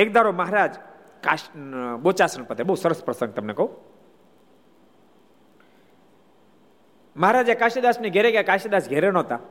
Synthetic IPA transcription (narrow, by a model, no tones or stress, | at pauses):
ek̚d̪aɾoməɦaɾad͡ʒ | kabot͡ʃasənpət̪ebəɦusəɾəspɾəsə̃ŋɡ̚t̪əmnekɐɦũ | məɦaɾad͡ʒjakaʃed̪asniɡʱeɾekjakaʃed̪asɡʱeɾenɔ̃t̪a